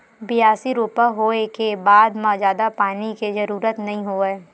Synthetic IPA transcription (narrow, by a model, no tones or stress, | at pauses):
bɪjaːsiɾoːpəɦoːekebaːd̪mãd͡ʒjaːd̪apaːnikezɐɾuːɾət̪nɐɦĩɦoːeː